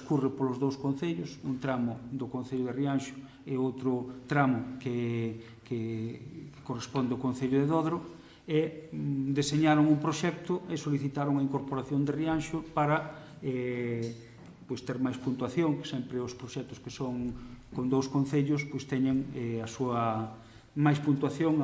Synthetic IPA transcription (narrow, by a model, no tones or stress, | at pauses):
skurepolʊzðowskon̟θeʎʊsunt̪ɾamʊd̪ʊkõn̟θeʎʊðerianʃʊ̥ | eowt̪ɾʊt̪ɾamʊke | ke | korespond̪eʊkonθeʎʊðeðoðɾʊ | e | d̪eseɲaɾʊŋuŋpɾoʃɛk̚t̪ʊesoliθit̪aɾʊŋaiŋkoɾpoɾaθjond̪erianʃʊpaɾɐɛ | pojst̪eɾmajspunt̪waθjoŋksɛmpɾɪʊspɾoʃɛk̚t̪ʊ̥skesoŋkond̪owskõnθeʎʊspojst̪ɛɲeŋɛɐsuɐ | majspunt̪waθjoŋ